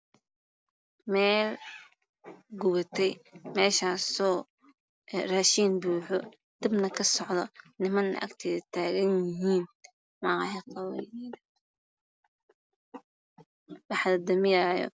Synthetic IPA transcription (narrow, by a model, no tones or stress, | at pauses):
mɛːl | ɡʊβɐt̪ʰɛjmɛːʃaːsɔː | raːʃiːnbuːħɔ | d̪̥ɪbnɐkʰɐsɔʕðɔnɪmɐnːɐ̰ʔɐ̰kt̪ʰɛːðɐt̪ʰaːɣɐnjɪɦiːn | mɑɦɛqɑwɛjnɛːðɐ | wɑħd̪ɐd̪ɐmɪjaːjɔ̰